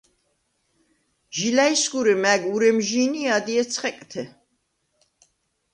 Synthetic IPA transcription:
ʒilaisɡuɾɛmæɡuɾɛmʒiːniad̪iɛt̪sʰχɛkʼt̪ʰɛ

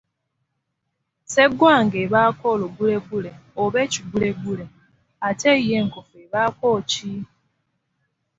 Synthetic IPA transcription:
seɡwaːŋɡeβakoloɡuleɡuleoβeciɡuleɡule | ateijeŋkofueβaːkoːci

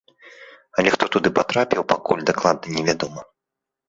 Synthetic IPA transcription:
ɐlʲɛxt̪ɔt̪ud̪ɨpat̪ɾapʲiwpakulʲd̪aklˠad̪̚nɐnʲɛvʲad̪ɔmɐ

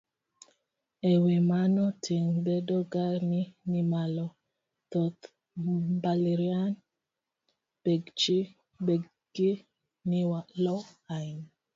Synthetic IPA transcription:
ewemanɔtʰiŋbedɔɡaninimalɔ | t̪ɔt̪ | baleɾian | b̥eɡt͡ʃi | beɡ | ɡi | niwalɔain

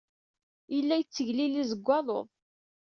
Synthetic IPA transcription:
ilːæjət͡sːəʝlilizəɡʷːɑðˤo̰ðˤ

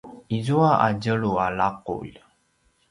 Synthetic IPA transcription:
izuaʔa̰ɟəɭualaqṵʎ

